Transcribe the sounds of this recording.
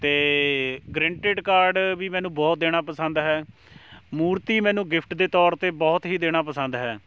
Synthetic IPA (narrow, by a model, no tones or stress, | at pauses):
t̪eːɡɾɛ̃ːɳʈeːɖkaːɾɖʋiːmɛ̃ːnũːbɔːt̪̚d̪eːɽ̃aːpəsə̃nd̪ɦɛː | muːɾt̪iːmɛ̃ːnũːɡɪpʰʈd̪eːt̪ɔːɾt̪eːbɔːt̪ɦiːd̪eːɽ̃aːpəsə̃nd̪ɦɛː